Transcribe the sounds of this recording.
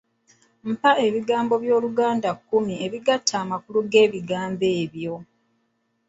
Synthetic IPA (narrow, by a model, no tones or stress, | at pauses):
m̩pae̞βiɡaːmbo̞βjo̞ːluɡaːndakːumie̞βiɡatʰːaːmakuluɡe̞ːβiɡaːmbe̞ːβjo̞